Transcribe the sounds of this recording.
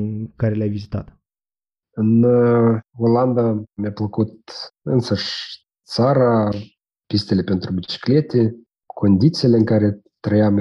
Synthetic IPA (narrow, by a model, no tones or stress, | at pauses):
kaɾʲlʲævʲizʲit̪ɑt̪ | ənːəɣolˠɑnd̪ɑmʲeplˠə̆kut̪ənsəʃ | t͡sɑɾɑ | pʲisʲt̪elʲepʲent̪robʲit͡ɕklʲet̪ʲe | konʲd̪ʲit͡selʲeŋkɑɾʲe | t̪ːrəjɑm